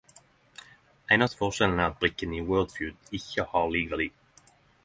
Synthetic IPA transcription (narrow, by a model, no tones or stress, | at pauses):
æɪnɑsfɔʁʃɛln̩əːʁɑt̪̚bʁɪkəniːwɜːld̪fjʉːd̪ɪçəhɑːʁliːɡəlɪ